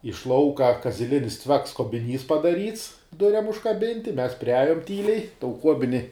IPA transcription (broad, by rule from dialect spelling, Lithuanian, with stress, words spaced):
ɪʃ ˈlˠɐʊkɐ kɐzʲɪˈlʲɪnʲɪs ˈt͡sʲʋʲɛks koːbʲɪˈnʲiːs pɐdɐˈrʲiːts ˈdʊrʲɛm ʊʃkɐˈbʲɪnʲtʲɪ ˈmʲɛs pʲrʲɪˈɑːjʊm ˈtʲiːlʲɛɪ toːʊ ˈkuɔbʲɪnʲɪ